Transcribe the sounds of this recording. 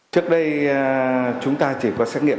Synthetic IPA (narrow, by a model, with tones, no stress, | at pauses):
t͡ɕɨ˦˥ək̚ɗə˧j | t͡ɕʊ˨˦ŋ͡mt̪aː˧t͡ɕi˧˩kɔ˨˦sɛː˦˥t̚ŋḭ˧˨ə